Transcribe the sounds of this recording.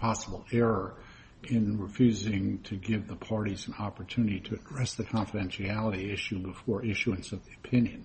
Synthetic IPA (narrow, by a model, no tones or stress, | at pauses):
pʰɑsəbl̩ˠɛɹə˞ | ɪ̃nɹɨfjʉzɪ̃ŋtʰɨɡɪvðəpʰɑɹɾiz̃n̩ɑpə˞tʰʉnɨɾiɾɨɨdɹɛsðɨkʰɑ̃nfɨdɛ̃nʃiælˠəɾiɪʃʉbɨfɔɹʔɪʃuɨ̃nsʌvðiɨpʰɪ̃njɨ̃n